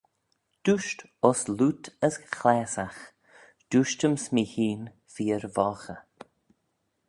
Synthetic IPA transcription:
d̪̥uʃt | ɔsluːt̪ʰəsxlɛːsax | d̪̥uːʃtəmsmiːhiːn | fiːəɾvɔːxə

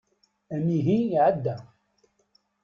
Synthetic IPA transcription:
æmiɦiʕəd̪ːæ

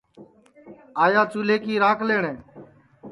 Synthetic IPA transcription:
aːjaːt͡ʃuːleːkiːɾãːkʰleːɳẽː

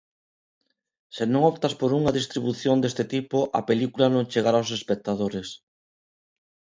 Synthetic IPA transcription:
senõŋopt̪aspoɾuŋaðist̪ɾiβuθjond̪est̪et̪ipoʔa̰pelikulanõŋt͡ʃeɣaɾaows̬espek̚t̪aðoɾes

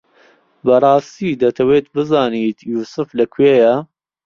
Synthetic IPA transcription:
bɐrˤɑːst̪iːd̪ɐt̪ʰɐweːt̪̚bɨzɑːniːt̪juːsɨflɐkʰweːjɐ

